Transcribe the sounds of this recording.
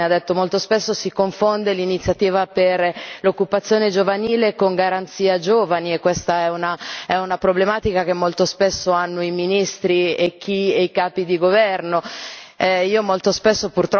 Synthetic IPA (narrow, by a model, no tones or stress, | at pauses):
ad̪ːet̪ːomolt̪ospesːosikoɱfond̪elinit̪sːjat̪iːvaperlokːupat̪sːjoːned͡ʒovaniːlekoŋɡaɾant̪siːad͡ʒoːvaniekːwest̪aɛunaɛunapɾoblemaːt̪ikak̟emːolt̪ospesːoanːoiminist̪ɾiek̟ːieikaːpid̪iɡovɛrno | iːomolt̪ospesːopurt̪ɾ